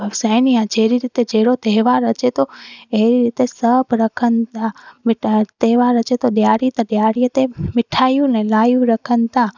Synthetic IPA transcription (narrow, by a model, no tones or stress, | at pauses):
sɛːniãd͡ʒeːɾiɾit̪ed͡ʒeːɽot̪eɦʋaːɾət͡ʃet̪oeɦɾiɾit̪esəbʱɾəkʰənt̪ãmɪʈt̪eɦʋaːɾət͡ʃet̪oɗjaːɽit̪əɗjaːɽiət̪emɪʈʰaːjũnɛlaːjũɾəkʰənɪ̆t̪ã